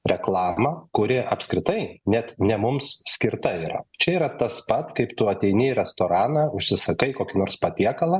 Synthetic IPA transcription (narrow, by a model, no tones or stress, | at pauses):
ɾʲɛklˠɑːmɐkʊɾʲɪʔɐpʲskɾʲɪt̪ɐɪnʲɛt̪nʲɛmʊmssʲkʲɪɾt̪ɐiːɾɐ̰t͡ʃʲɛiːɾɐt̪ɐspɐt̪skɐɪpt̪ʊɐt̪ʲɛɪnʲɪːɾʲɛst̪oːɾɑːnɐʊʃʲsʲɪsɐkɐɪkoːkʲinoːrɾspɐt̪ʲiɛkɐlˠɐ